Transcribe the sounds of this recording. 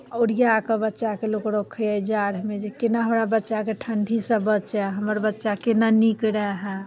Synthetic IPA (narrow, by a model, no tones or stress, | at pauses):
oɾijakəbətːʃakelokɾokʰːeəd͡ʒaɾmed͡ʒekenaɦəmɾabətːʃakeʈʰəɳɖʱisə̃bət͡ʃɛɦəməɾbətːʃakenanikɾəɦɛ̃